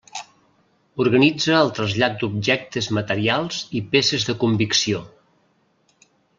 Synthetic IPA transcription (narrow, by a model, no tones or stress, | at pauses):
uɾɣənid͡zəːlˠt̪ɾəzʎat̪̚d̪ub̚ʒɛk̚t̪əzmət̪əɾialˠz̥ipesəzðəkumbiksio